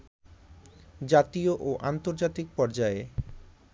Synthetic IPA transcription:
d͡ʑat̪ioʔoʔant̪oɾd͡ʑat̪ik̚pɔɾd͡ʑae

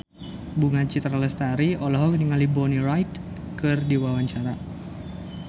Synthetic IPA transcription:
buŋat͡ʃit̪ɾaləst̪aɾiɔlaɦɔkəniŋalibɔnirajt̪ | kɨrdiwawaɲt͡ʃaɾa

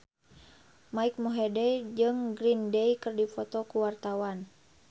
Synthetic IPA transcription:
maik̚muɦɛdɛjd͡ʒɨŋɡɾindɛjkɨrdifɔt̪ɔkuwart̪awan

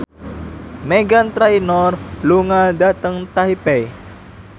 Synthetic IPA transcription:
meɡant̪ɾainɔrluŋadat̪əŋt̪aɦipɛj

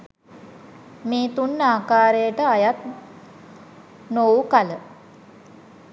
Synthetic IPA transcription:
miːt̪unːaːkaːɾejəʈəajat̪̚ | nowkalə

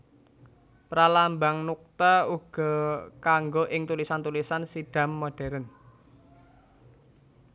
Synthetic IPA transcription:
pɾalambaŋnuk̚t̪auɡ̥ɔ̤kaŋɡoʔɪŋt̪ulisant̪ulisansiɖ̥ä̤mːoɖ̥ɛ̤ɾən

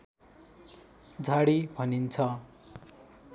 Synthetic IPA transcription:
d͡zʱaɽibʱʌnint͡sʰʌ

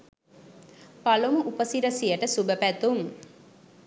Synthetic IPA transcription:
palumuʔupəsiɾəsijəʈəsubəpæt̪um

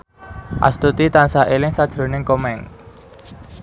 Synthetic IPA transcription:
ʔa̰st̪ut̪it̪ansaʔelɪŋsad̥ʒ̥ɾo̤nɪŋkomɛŋ

